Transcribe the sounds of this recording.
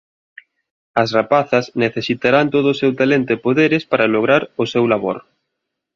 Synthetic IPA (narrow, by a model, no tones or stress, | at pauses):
ɐsrapaθɐsneθesit̪aɾant̪oðʊsewt̪alent̪oepoðeɾɪspaɾaloɣɾaɾʊsewlaβo̰ɾ